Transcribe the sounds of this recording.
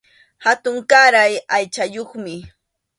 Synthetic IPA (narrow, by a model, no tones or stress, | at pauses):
hat̪ʊŋkaɾajajt͡ʃajoχmɪ